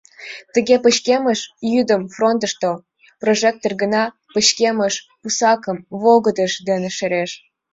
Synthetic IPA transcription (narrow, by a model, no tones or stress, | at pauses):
t̪ə̆ɣʲepə̆ɕkʲeməʃjyd̪əmfront̪ə̆ʃt̪o | proʒek̚t̪orɣə̆nɑ | pə̆ɕkʲeməʃ | pusɑkə̆mvoɣə̆d̪ə̆ʃd̪eneʃəɾeʃ